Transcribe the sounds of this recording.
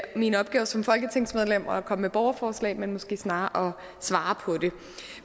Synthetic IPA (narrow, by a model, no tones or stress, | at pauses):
minəɒ̽b̥ɡ̥ɛːʊɐsɒ̽mfɒ̽lɡ̥ət͡sʰeŋ̰smeð̞ˠlem̰ɒkʰɒ̽məmeb̥ɒʊɐfɒːslɛ̰ːmenmɔ̽sɡ̥e̝̰ːsnɑ̈ːʔɒ̽ | sʋɑ̈ːpʰɒ̽d̥e̝